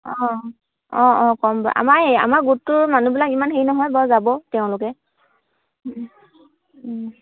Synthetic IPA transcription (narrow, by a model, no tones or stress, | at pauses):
ɔ̃ | ɔ̃ɔ̃kɔmbɔ̰ʔa̰maɹɦea̰maɹɡutːʊɹmanubilakimanɦeinɔɦɔjbɔjzabɔteʊ̃lʊkɛ